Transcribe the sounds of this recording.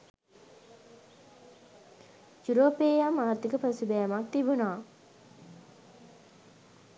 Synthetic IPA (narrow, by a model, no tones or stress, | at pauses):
juɾoːpeːjamaːrt̪ikəpəsubɛjamak̚t̪ibunaː